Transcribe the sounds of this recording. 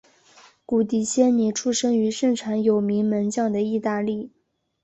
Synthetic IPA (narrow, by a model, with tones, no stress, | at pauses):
ku˨˩t̪̬i˨˩ɕjɛ˥nni˨˩ʈ͡ʂʰu˥ʂɤ˥ŋy˧˥ʂɤ˥˩ŋʈ͡ʂʰa˧˥ŋjo˨˩ʊmi˧˥ŋmə˧˥nt͡ɕjɑ˥˩ŋd̪ə˩i˥˧t̪a˥˧li˥˩